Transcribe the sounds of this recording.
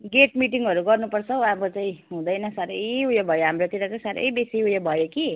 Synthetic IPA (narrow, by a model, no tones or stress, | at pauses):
ɡeʈmiʈiŋʌɾuɡʌrnupʌrt͡sʰʌʌbʌt͡saĩɦũd̪ʌjnʌsaɾejujobʱʌjoɦamrot̪iɾʌt͡saĩsaɾḛjbesiujobʱʌjoki